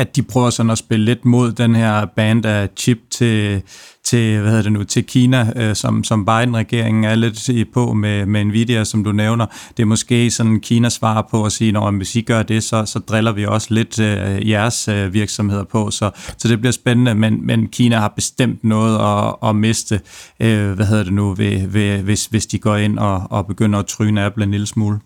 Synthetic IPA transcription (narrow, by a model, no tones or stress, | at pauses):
æ̥ipʰʁœːʊɐsɒ̽n̩æsb̥e̝lle̝d̥mo̝ð̞̰ˠd̥enhæɐ̰b̥æːnd̥æt͡sʰib̥̚t͡sʰe̝t͡sʰe̝ʋæheðˠɐd̥enut͡sʰe̝lkʰiːnæsɒ̽msɒ̽mb̥ɑ̈ɪd̥n̩ʁɛɡ̥e̝ɐ̰eŋn̩æɐle̝d̥pʰɒ̽memeenʋḭd̥e̝osɒ̽md̥uneʊnɐd̥e̝ɐmɒ̽sɡ̥e̝̰ːsɒ̽nkʰiːnæsʋɑ̰̈pʰɒ̽ɒsiːnɒʊjæʋe̝siɡ̥ɶɐd̥e̝sɒ̽sɒ̽d̥ʁɛlɐʋiɒ̽səle̝d̥jæɐsøʋiɐɡ̥sɒ̽mhe̝ð̰ˠɐpʰɒ̽sɒ̽sɒ̽d̥e̝b̥liɐsb̥enənəmenmenkʰiːnæhɑ̈b̥e̝sd̥em̰d̥nɔ̽ːð̞̩ˠɒɒ̽me̝sd̥əʔøʋæɦe̝ð̞̰ˠɐd̥enuʋeʋeʋe̝sʋe̝sd̥iɡ̥ɒ̰ːe̝n̰ɒːb̥e̝ɡ̥øn̰ɐɒt͡sʰʁyːnæb̥lenilsmṵːl